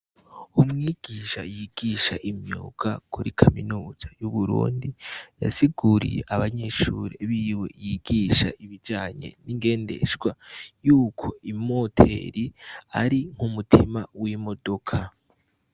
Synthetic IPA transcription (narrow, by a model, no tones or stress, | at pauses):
umŋiːɡ̥iːʃajiɡ̥iʃaʔimɲṵːkakuɾikʰaminuːz̥ajuβuɾṵːndija̰siɡuɾḭjḛʔaβaɲe̞ʃṵːɾiβiwe̞jiɡ̥iːʃaʔiβid͡ʒaːɲe̞̰niŋɡe̞ːnde̞̰ʃɡ̥wajuːkʰo̞imo̞tʰḛɾiaɾiŋ̥umutʰimawimo̞do̞kʰa